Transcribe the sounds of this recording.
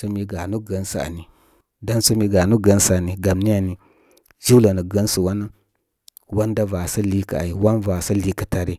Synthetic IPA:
so˦mi˨ɡa˨nu˦ɡə˨nsa̰˨a̰˨ni˨ | da˦nso˦mi˨ɡa˨nu˦ɡə˦n˦sa˨ni˨ɡa˨mni˦ja˨ni˨ | d͡ʒi˦la˨nə˨ɡə˦nsu˨wa˦na˦ | wa˦nda˦va˨sa˦li˦ka̰˨a̰˨i˨wa˦nva˨sa˦li˦kə˨ta˨ɾi˦

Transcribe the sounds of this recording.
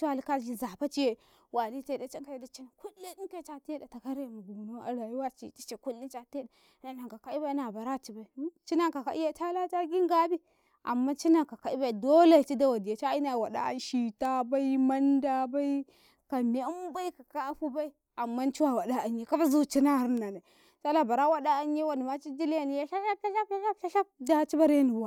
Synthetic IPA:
t͡ʃa˦˨li˦ka˦ld͡ʒi˦za˨pa˦t͡ʃi˦je˨ | wa˨li˦te˦da˦t͡ʃa˦ŋka˦je˦da˨t͡ʃi˦na˨ku˦li˦ɗi˦n˦ke˦t͡ʃa˨ti˦e˦da˨ta˨ka˦ɾe˦˨ma˨ɡu˨na˦a̰˨la˨ji˦wa˦t͡ʃḭ˦˨ti˦t͡ʃe˨ku˦lːi˦t͡ʃa˦te˦da˨˦na˨na˨ŋka˨ka˨˦i˦ba˦i˦na˨ba˨ɾa˦t͡ʃi˨ba˨i˨˦t͡ʃi˦na˦ka˨ka̰˨ʔi˦ja˦t͡ʃa˦la˦t͡ʃa˦ɡi˦ŋɡa˦bi˦ | ʔa̰˨mːa˦t͡ʃi˦na˨ka˨ka˨i˦ba˦i˨do˦la˦˨t͡ʃi˦da˦wa˨di˨a˨t͡ʃa˦i˦na˨wa˨ɗa̰˦a̰˦n˦ʃi˨ta˦ba˦i˦ma˦nda˦ba˦i˦ | ka˨me˨˦m˦ba˦i˦ka˨ka˦ɸu˦ba˦i˦ | a˨mːa˦n˦t͡ʃi˦wa˨wa˨da˦a˨ɲ˦je˦ka˦fa˦zu˦˨t͡ʃi˦na˦˨˦ɾna˨na˨ | t͡ʃa˦la˦˨ba˨ɾa˦wa˦da˦a˦nje˦wa˨ni˨ma˦t͡ʃi˦d͡ʒi˦lja˦˨ni˨ja˦ʃa˦ʃa˦a˦ʃa˦a˦a˦ʃa˦ʃa˦da˨t͡ʃi˦ba˦ɾe˦ni˨a˨

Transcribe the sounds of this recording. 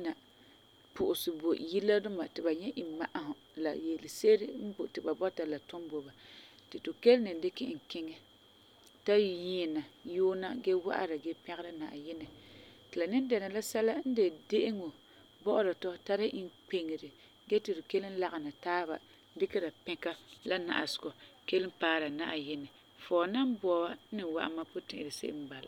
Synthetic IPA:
na˨ | pʊ˨ʔʊ˨sɪ˨bo˨ji˦lːa˦dʊ˦ma˨tɪ˨ba˨ɲɛ˦ʔɪ˨ma˨ʔa˨ɦʊ˨ | la̰˨jɛ˨lɪ˨se˦ɾɪ˦n̩˦bo˨tɪ˨ba˨bɔ˦ta˨la˨tʊ˦mbo˨ba˨ | tɪ˨tʊ˨ke˦lnɨ˨n˦dɪ˦kɪ˦ŋ̩˨kɪ˦ŋɛ˦ | ta˦˨ji˨˦˨na˨joː˦na˦ɡɛ˦wa̰˦ʔa̰˨ɾa˨ɡɛ˦pɛ˦ɣɾa˦na̰ː˨jɪ˦nɛ˨tɨ˨la˨nɪ˦n˦dɛ˨na˨la˦sɛ˦la˦n̩˦de˨de˦ʔɪ˦ŋo˨ | bɔ˦ʔʊ˦ɾa˨tɔ˦ta˦ɾa˦ʔi˦nk͡pe˨ŋɪ˨ɾɨ˨ | ɡɛ˦tɪ˨ɾɪ˨ke˦lɪ˦n˦la˨ɣa˨na˨taː˦ba̰˨˦ | dɪ˦kɛ˦ɾa˨pɛ̃˦ka˦la˦na̰˨ʔa˨sʊ̥˨ɡɔ˨ke˦lɨ˦mpaː˦ɾa˨na̰˦ʔa˨jɪ˦nɛ˨ | fɔː˨na˦m˦bɔ˨ba˦nɨ˨wa̰˦ʔa̰˦ma˦pʊ˦tɪ̰̃˨ʔɪ˨ɾɨ˨sḛ˦ʔɪ̰˦m˦ba˨la̰˨

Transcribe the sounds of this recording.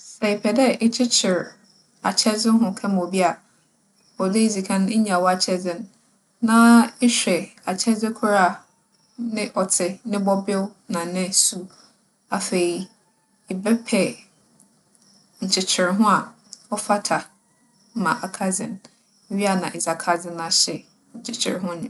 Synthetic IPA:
sɛ˨ɪ˨pʰɛ˨dɛ˦ɪ˦t͡ɕʰɪ˦t͡ɕʰɪ˨ɾ | a˨t͡ɕʰɛ˦d͡zɪ˦ɦʊ̃˦kʰã˦m˨o˨bi˦a˨ | ɔ˨dɪ˦i˦d͡zi˨kʰã˦n˦e˦ɲã˨wɔ˦a˨t͡ɕʰɛ˦zɪ˦n˦ | nã˦ɪ˦ɕᶣɛ˨a˨t͡ɕʰɛ˦zɪ˦kʰu˦ɾa˦˨ | nɪ̃˦ʔɔ˨tʰɪ˨nɪ̃˦bɔ˦bɪ˦wnã˨nɪ̃˦su˦ | a˨fe˨i˨ | ɪ˨bɛ˦pʰɛ˨ | ɲ̩˨t͡ɕʰɪ˨t͡ɕʰɪ˨ɾɪ˨ɦʊ̃˦a˨ | ɔ˦fa˦tʰa˨˦ | mã˨ʔa˨kʰa˦d͡zɪ˨n˨ | ɥi˦a˨nã˨ʔe˨za˨kʰa˨d͡zɪ˦nã˨ɕɪ˨ | ɲ̩˨t͡ɕʰɪ˨t͡ɕʰɪ̰˨ɾɪ˦ɦʊ̃˦ɲɪ̃˨

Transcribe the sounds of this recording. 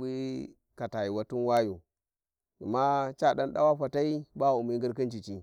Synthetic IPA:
i˦ | ka˨ta˨ji˨wa˨tu˦nwa˦ju˨ | a˨ma˦t͡ʃa˦ɗa˦nɗa̰˦wa˦ɸa˨ta˦i˦ba˦˨u˨mi˦ŋɡi˦ɾki˦nt͡ʃi˨t͡ʃi˦

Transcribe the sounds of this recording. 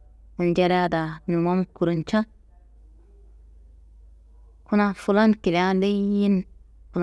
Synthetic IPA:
u˨nd͡ʒe˦ɾa˦da˨nu˨ma˦m˦ku˨ɾu˨nt͡ʃa˦ | ku˦na˦fu˦la˦nki˨la˦nde˦ji˦n | fu˨l

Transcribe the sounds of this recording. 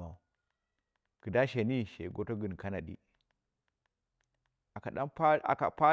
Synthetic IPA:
a˨ | kə˨da˦ʃe˨ni˦ʃḛ˨ɡo˦to˦ɡə˨n˨ka˦na˨ɗḭ˦ | a˨ka˨ɗa̰˦npa̰˨a̰˨pa˦

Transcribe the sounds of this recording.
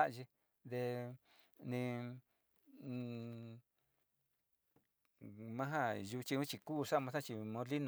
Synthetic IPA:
a˦ʔʒi˧ | d̪e˧ | nĩ˧ | mã˦ɦa˦ju˧t͡ʃi˧ũ˦t͡ʃi˧ku˦˧ʂa˦˨mã˧s̬a˦t͡ʃi˧mõ˧˦li˦ñ˧˨

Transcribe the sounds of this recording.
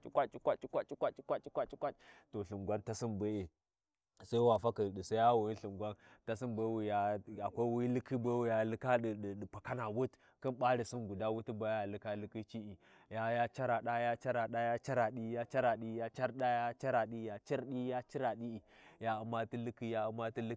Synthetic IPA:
t͡ʃi˦kʷa˦t͡ʃi̥˦kʷa˦t͡ʃi˦kʷa˦t͡ʃi˦kʷa˦t͡ʃi˦kʷa˦t͡ʃi˦kʷa˦t͡ʃi˦kʷa˦t͡ʃto˨ɬu˨ŋɡʷa˦nta˦si˦nbe˦e˨ | sa˦i˦wa˨fa˦ki˨ɗi˨sa˦ja˦wu˨ji˦nɬi˨ŋɡʷa˦nta˦si˦nbe˦wi˨ja˦a˨kʷa˦wi˦lɨ˦ki˦be˦wi˨ja˨lɨ˦ka˦ɗi˨ɗɗpa˨ka˦na˨wu˦t | ki˦nɓa˦ɾi˨si˦nɡu˨da˦wu˦ti˦ba˦ja˨lɨ˦ka˦lɨ˦ki˦t͡ʃi˦ʔi˨ | ja˦ja˦t͡ʃa˦ɾa˨ɗa˦ja˦t͡ʃa˦ɾa˨ɗa˦ja˦t͡ʃa˦ɾa˨ɗi˦ja˦t͡ʃa˦ɾa˨ɗi˦ja˦t͡ʃa˦ɾɗa˦ja˦t͡ʃa˦ɾa˨ɗi˦ja˨t͡ʃi˦ɾɗi˦ja˦t͡ʃi˦ɾa˨ɗi˦i˨ja˦u˨ma˦ti˦lɨ˦ki˦ja˦u˨ma˦ti˦l

